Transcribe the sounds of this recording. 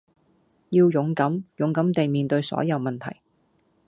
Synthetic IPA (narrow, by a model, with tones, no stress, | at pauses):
jiː˧wjʊ˨˥ŋkɐ˨˥mjʊ˨˥ŋkɐ˨˥mt̪e˨jmiː˨˩nt̪ɵ˧ɥsɔ̰ː˨˥jɐ˨˧wmɐ˨˩nt̪ʰɐ̰˨˩j